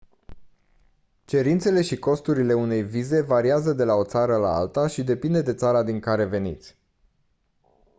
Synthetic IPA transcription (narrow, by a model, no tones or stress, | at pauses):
t͡ʃe̞ɾint̪se̞le̞ʃiko̞st̪uɾile̞une̞jvize̞vaɾiazəd̪e̞lao̞t̪saɾəla̰a̰lt̪aʃid̪e̞pind̪e̞d̪e̞t̪saɾad̪iŋkaɾe̞ve̞nḭt̪sʲ